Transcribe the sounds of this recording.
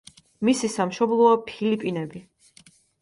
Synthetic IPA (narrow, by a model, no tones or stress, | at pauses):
misisamʃɔblˠɔɔpʰilipʼinɛbi